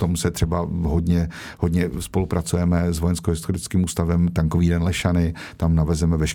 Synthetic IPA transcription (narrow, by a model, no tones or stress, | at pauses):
t̪o̞msɛt̪r̝̥ɛbaɦodɲɛ | hodɲɛspo̞lupɾat͡sujɛmɛzvojɛnskoɦɪst̪oɾɪt͡skiːmuːst̪avɛmt̪aŋkoviːdɛnlɛʃanɪ | t̪amnavɛzɛmɛvɛʃk